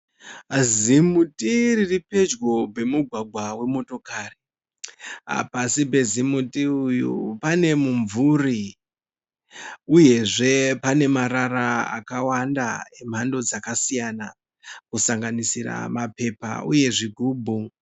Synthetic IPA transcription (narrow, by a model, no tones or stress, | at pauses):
zimutʼiɾiripe̞d͡ʒɡo̞bʱe̞muɡʱwaɡʱwawe̞mo̞to̞kaːre̥ | a̰pasipe̞zimutiujṵpane̞muɱvuri | uje̞ʐe̞pane̞maɾaɾaa̰kawanda̰e̞m̤ando̞d͡zakasijana | kusaŋɡanisira̰mape̞pa̰uje̞ʐiɡʱuːbʱu